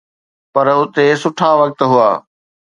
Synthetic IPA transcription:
pɐɾʊt̪esʊʈʰaʋɐk̚t̪ɦʊa̰ː

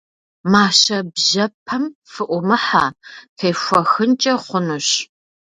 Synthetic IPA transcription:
maːɕɐbʑɐpʰɐmfɨʔʷʊmɨħaːfʰeːxʷɔxɨnt͡ʃʼɐχʷʊnuɕ

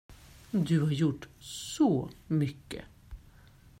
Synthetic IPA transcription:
d̪ʉhaɾjʊʈːsɔmʏkːə̰

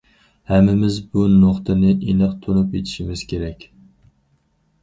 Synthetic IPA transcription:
hæmːɪmɪzbunoχt̪ʰɨnɪʔenɨqt̪ʰunupet̪ʰɪ̥ʃɪmɪz̥kʲʰeɾɛkʲ

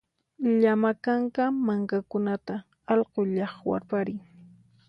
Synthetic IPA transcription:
ʎamakaŋkamaŋkakʊnat̪a | ɑʎqoʎɑχwa̰ɾpaɾɪŋ

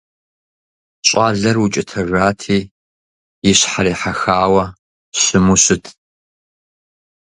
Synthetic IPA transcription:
ɕʼaːɮɐrwʊt͡ʃʼɪtʰɐʒʷaːtʰiː | jɪɕħaɾiːħaxaːwɐ | ɕɪmuɕɪtʰ

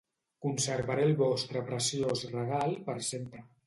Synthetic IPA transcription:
kunseɾβaɾelβɔst̪ɾəpɾesjozreɣ̞alˠpəɾsempɾə

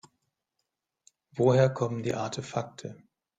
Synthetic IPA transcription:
voːheːɐkʰɔməndḭːʔaɐtʰefak̚tʰə

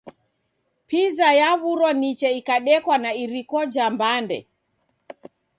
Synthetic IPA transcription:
pizajaβuɾɔnit͡ʃɛikaɗɛkwanaiɾikɔd͡ʒambandɛ̰

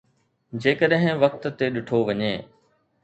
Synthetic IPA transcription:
d͡ʑeːkəɗɦɪ̃ʋɐk̚t̪t̪eɗɪʈʰoʋɐɲeː

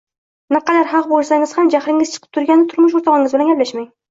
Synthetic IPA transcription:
nɪqɑd̪aɾɦɑqbolˠsaŋɪz̥hamd͡ʒahɾɪŋɪz̥t͡ʃʰɨ̥qʰɨ̥p̚t̪ʰʊɾɡʲanːɪt̪ʰʊɾmʊʃ̬oɾt̪ʰɑʁɪŋɪzbɪlanɡʲaplaʃmaŋ

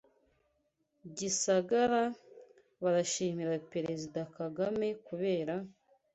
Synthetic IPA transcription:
ɟisaɡaɾa | βaɾaʃiːmiɾape̞ɾe̞zidakaɡame̞kuβe̞ːɾa

